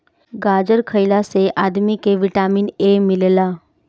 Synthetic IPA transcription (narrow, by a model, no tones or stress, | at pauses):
ɡaːd͡ʒəɾkʰəɪlaseʔaːd̪mikeʋɪʈaːmiːnemɪllaː